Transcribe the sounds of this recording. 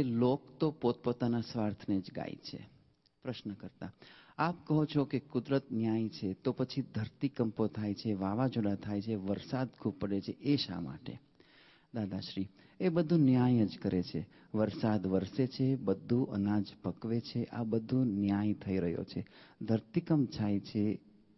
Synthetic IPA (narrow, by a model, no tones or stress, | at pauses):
elokt̪opot̪̚pot̪anasʋaɾt̪ʰəned͡ʒɡa̰jḭt͡ʃʰḛ | pɾəʃnəkəɾt̪aapkəɦot͡ʃʰokekʊd̪ɾət̪njajt͡ʃʰet̪opət͡ʃʰid̪ʱəɾt̪ikəmpot̪ʰajt͡ʃʰeʋaʋad͡ʒoɽat̪ʰajt͡ʃʰeʋəɾsad̪kʰub̚pəɽet͡ʃʰeʔeʃa̰ma̰ʈḛ | d̪ad̪aʃɾi | ebəd̪ʱũnjajəd͡ʒkəɾet͡ʃʰe | ʋəɾsad̪ʋəɾset͡ʃʰebəd̪ʱːũʔənad͡ʒpəkʋet͡ʃʰeʔabəd̪ʱũnjajt̪ʰəiɾəɦjo̰t͡ʃʰed̪ʱəɾt̪ikəmt͡ʃʰajt͡ʃʰe